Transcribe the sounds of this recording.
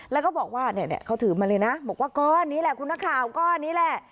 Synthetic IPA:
lɛː˨˧˥wkɔː˥˩bɔː˨˩k̚waː˥˩nɛ˧˩nɛ̰˧˩˨kʰaː˧˥˩t̪ʰɯː˩˦maː˧lɤː˧jna˦˥bɔː˨˩k̚waː˥˩kɔː˧nːiː˦˥lɛ˨˩kʰu˧naː˧˥kʰaː˨˩wkɔː˧˩nːiː˦˥lɛ˧˩

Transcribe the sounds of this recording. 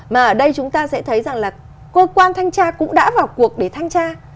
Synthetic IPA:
maː˨˩ʔəː˧˩ɗə˧jt͡ɕʊ˨˦ŋ͡mt̪aː˧sɛ̰˧˥t̪ʰə˨˦jza˨˩ŋlaː˨˩ | kəː˧kwaː˧nt̪ʰa˧jŋ̟t͡ɕaː˧kʊ̰˧˥ŋ͡mɗa̰ː˧˥vaː˨˩wku˨˩ək̚ɗe˧˩t̪ʰa˧jŋt͡ɕaː˧

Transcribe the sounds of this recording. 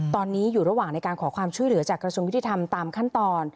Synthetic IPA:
t̪ɔː˧nːiː˦˥juː˨˩ɾa˧waː˨˩ŋna˧jkaː˧nkʰɔː˩˦kʰwaː˧mt͡ɕʰu˥˩əjlɯ˩˦ɐt͡ɕaː˨˩kɾa˧su˧ŋj̪ʰiː˧˩t̪ʰa˧mt̪aː˧mkʰa˥˩nt̪ɔː˧n

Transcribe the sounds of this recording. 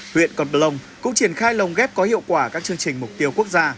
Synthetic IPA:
hwḭ˧˨ənkɔ˨˩n˧lə˨˧˩wŋ͡mkʊ̰˧˥ŋ͡mt͡ɕi˧˩ənxaː˧jlə˨˩wŋ͡mɣɛ˦˥p̚kɔ˨˦hḭ˧˨əwkwaː˧˩kaː˦˥k̚t͡ɕɨ˧əŋt͡ɕï˨˩ŋ̟mʊ˨˩k͡p̚t̪i˧əwku˦˥ək̚zaː˧

